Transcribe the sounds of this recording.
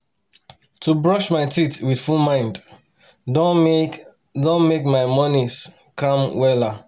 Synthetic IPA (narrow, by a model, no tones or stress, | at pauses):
tubɹɔʃmaɪtitwid̥fulmãɪ̃nd | dõnmekmaɪmɔnis | kɔ̃mwɛla